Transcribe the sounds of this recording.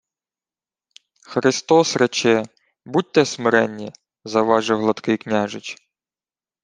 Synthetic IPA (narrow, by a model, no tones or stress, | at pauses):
xɾɪst̪ɔsɾɛt͡ʃɛ | but̚ʲt̪ɛsmɪɾɛnʲːi | zɐʋɑʒɪwɦlˠɐt̪kɪjknʲaʒɪt͡ʃ